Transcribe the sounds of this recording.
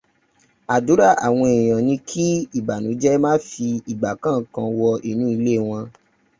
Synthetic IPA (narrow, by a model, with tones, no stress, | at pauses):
a˨du˨˦ɾa˦˨a̰˨w̃ɔ̃˧e˨j̃ɔ̃˨nĩ˧kʰi˦i˦˨ba˨nũ˨˦d͡ʒɛ˦mãː˦fi˧i˨ɡ͡ba˨kã˦˨˦kã˧wɔ˧ʔi˦˨nũ˦i˧le˦˨w̃ɔ̃˧